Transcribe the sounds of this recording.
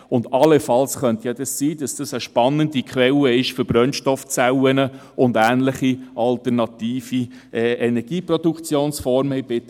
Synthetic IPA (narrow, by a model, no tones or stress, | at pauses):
ʊndɑləfɑlsχœntjɑdɑssiːdɑsd̥ɑsəʃpɑnːəndikʰʋɛləɪʃfʏɾbɾœnʃtɔft͡sæwənə | ʊndæːnləχiʔɑltənɑtiːfi | ʔɛːɛnɛɾɡ̥iːprɔd̥ukt͡sjoːnsfɔɾmhɛɪb̥ɪt̪